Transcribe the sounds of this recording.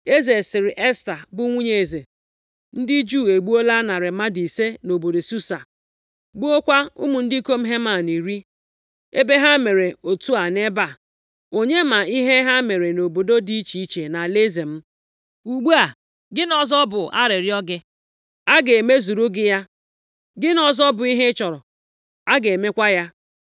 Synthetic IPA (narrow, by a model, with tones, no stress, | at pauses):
e˦ze˨sɪ˨ɾɪ˨ʔe˦sta˨bʊ˦ŋʷu˦ɲe˨e˨ze˨ | n̩˦dɪ˦d͡ʒu˦˨e˨ɡ͡bu˦o˦la˦na˨ɾɪ˨ma˦di˨se˦no˨bo˨do˨su˦sa˨ | ɡ͡bu˦o˦kʷa˦ʊ̰˦mʊ˨n̩˦dɪ˦i˦ko˦m̩˦ɦe˦ma˨ni˨ɾi˦ | e˦be˦ɦa˦me˨ɾe˨o˨tu˦a˨ne˦ba˨ | o˨ɲe˦ma˨i˦ɦe˦ɦa˦me˨ɾe˨no˨bo˨do˦di˦i˦t͡ʃi˨i˦t͡ʃe˨na˨le˦ze˨m̩˦ | u˨ɡ͡bu˦a˨ | ɡɪ˦nɔ˨zɔ˦bʊ˨ʔa̰˦ɾɪ˨ɾjɔ˦ɡɪ˦ | a˦ɡe˨e˨me˦zu˨ɾu˦ɡɪ˦ja˦ | ɡɪ˦nɔ˨zɔ˦bʊ˨i˦ɦe˦t͡ʃɔ˨ɾʊ˨ | a˦ɡe˨e˨me˦kʷa˦ja˦